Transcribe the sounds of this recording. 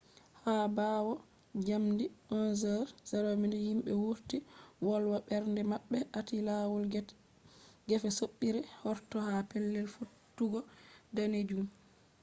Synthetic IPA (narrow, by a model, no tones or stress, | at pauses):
habaːwɔ | d͡ʒamdiʔɔnzəɾz̥aɾomindɛhimɓɛwuɾtiwɔlwaɓɛɾndɛmaɓːɛʔatilawul | ɡɛfɛsoɓːiɾɛhɔɾtɔhapɛlːɛlfutːuɡɔdaned͡ʒum